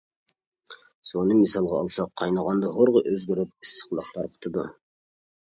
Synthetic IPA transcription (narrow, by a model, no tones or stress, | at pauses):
sonumisɑlˠʁɑːlˠsɑqʰːɑjnɑʁɑnd̪ɑɦoɾʁəʔøzɡʲøɾyp̚isːə̥qlˠɑq̚t̪ʰɑɾqʰə̥t̪ʰɨd̪u